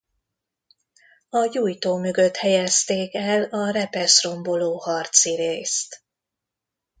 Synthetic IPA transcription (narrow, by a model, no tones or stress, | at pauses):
ɒjuːjt̪oːmøɡø̞t̪hɛjɛst̪eːkɛlɒɾɛpɛʃro̞mbo̞loːhɒrt̪siɾeːst̪